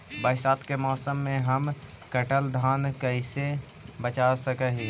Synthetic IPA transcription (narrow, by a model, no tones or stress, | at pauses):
bəːɪsaːt̪kemɔːsəmːẽɦəm | kəʈəld̪ʱaːnkəɪse | bət͡ʃasəkəɦiː